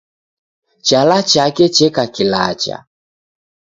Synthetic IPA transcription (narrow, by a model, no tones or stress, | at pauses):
t͡ʃalat͡ʃakɛt͡ʃɛkakilat͡ʃa̰